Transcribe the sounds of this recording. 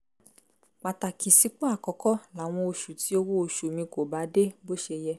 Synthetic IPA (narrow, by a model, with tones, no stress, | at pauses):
k͡pa˨ta˨ki˨si˨˦k͡pɔ˦a˦˨kɔ˨˧˦kɔ˦la˨w̃ɔ̃˧o˧ʃu˨ti˨˦o˧wo˦o˧ʃu˨mĩ˧ko˨ba˨˦de˦bo˦ʃe˧jɛ˧